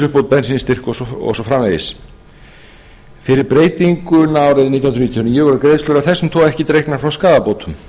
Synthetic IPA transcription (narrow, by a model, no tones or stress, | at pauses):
ʏhpowt̪̚pɛnsinst̪ɪr̥kɔsɔɔ̰sɔfɾamlejɪs | fɪɾɪɾpɾeːjt̪iŋkʏnaːwɾɪðnit̪jnɾniːt̪ʰjɔnijːʏvɔɾʏɾkɾejðslœɾaθɛsːʏmt̪ʰɔːɣɛhcɪt̪ɾejknaɾ̥fɾawskaːðapowt̪ʰʏm